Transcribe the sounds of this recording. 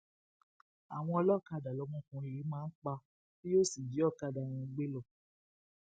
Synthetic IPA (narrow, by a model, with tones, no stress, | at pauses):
a˨w̃ɔ̃˧ɔ˧lɔ˦˨ka˧˨da˨lɔ˨˧˦mũ˦kũ˧i˨ɾi˨˦mãː˦˧n̩˦k͡pa˧ | bi˦jo˦˨si˨d͡ʒi˨˦ɔ˦˨ka˧˨da˨j̃ĩ˧˦ɡ͡be˦lɔ˦˨